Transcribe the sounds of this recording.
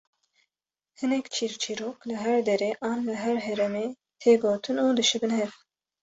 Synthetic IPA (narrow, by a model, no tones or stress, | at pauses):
hɨnɛkt͡ʃʰiɾt͡ʃʰiɾoːklɨɦɛɾd̪ɛɾeːʔɑːnlɨɦɛɾɦɛɾɛmeː | t̪ʰeːɡoːt̪ʰɨnuːd̪ɨʃɨbɨnhɛv